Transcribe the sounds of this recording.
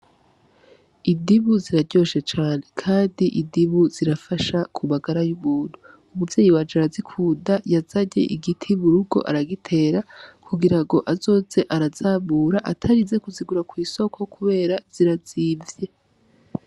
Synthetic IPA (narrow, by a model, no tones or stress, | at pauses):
indiβuziɾaɟo̞ʃe̞t͡ʃaːnekʰaːndiʔidiβuz̥iɾafaʃakʰumaɡaɾajumuːn̥hu | umuvje̞ːjiwad͡ʒaɾazikʰuːdajazaɟe̞̰ʔiɡitʰiβuɾuɡo̞̰ʔa̰ɾaɡitʰe̞ːɾakʰuɡiɾaŋɡo̞ʔazo̞ːze̞ʔaɾazaːβuːɾaʔatʰaɾize̞kuziɡuɾakwiːso̞kʰo̞kʰuβe̞ːɾaz̥iɾaziːvje̞